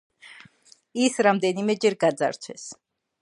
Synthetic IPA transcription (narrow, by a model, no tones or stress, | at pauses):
isɾamd̪ɛnimɛd͡ʒɛɾɡad̪za̰ɾt̪ʰwɛ̰s